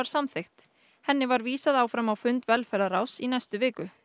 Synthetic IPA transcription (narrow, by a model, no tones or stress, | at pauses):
aɾ̥samθext̪ | hɛnːɪvaɾviːsaðaːwfɾamawfʏnt̪vɛlfɛɾðaɾawsinajst̪ʏvɪːkʏ